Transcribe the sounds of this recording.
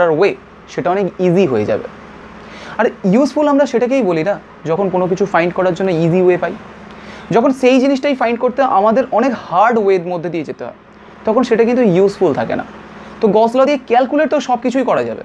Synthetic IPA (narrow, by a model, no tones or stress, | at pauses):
aɾwe | ʃeʈaɔnekiziɦoḛd͡ʑa̰bḛ | aɾjusfulamɾaʃeʈak̬ejbolina | d͡ʑɔkʰonkonok̬it͡ɕʰufajɳɖkɔɾaɾd͡ʑonːoiziwepaj | d͡ʑɔkʰonʃejd͡ʑiniʃʈajfajɳɖ̚koɾt̪eʔamad̪eɾɔnekhaɾɖwed̪mod̪ʱːed̪ied͡ʑet̪eɦɔ̰be | t̪ɔkʰonʃeʈakint̪̬ujusfult̪ʰakḛna̰ | t̪oɡɔslod̪iekɛlkuleʈt̪oʃɔb̚kit͡ɕʰujkɔɾad͡ʑa̰bḛ